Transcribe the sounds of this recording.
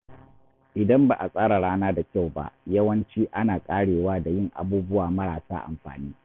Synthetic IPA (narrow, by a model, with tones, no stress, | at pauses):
ʔɪ˨dɐ˦mba˨ʔa˨sʼaː˦ɾa˨ɽaː˦naː˦da˨kʲa˦˨wba̰˦ʔjɐ˦wɐ˦nt͡ʃiː˦ʔa˦naː˨kʼaː˦ɽeː˨waː˦da˨jɪ˦˨ŋʔa̰˨buː˦bʊ˦waː˨mɐ˦ɽaː˨sa̰ː˦ʔa̰˨mɸa̰ː˨niː˦